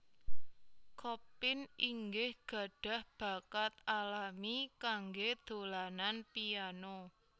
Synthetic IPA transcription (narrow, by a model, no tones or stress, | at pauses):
kʰɔpɪniŋɡɪhɡ̥ä̤ɖ̥a̤hb̥ä̤kat̪alamikaŋɡed̪̥o̤lananpiano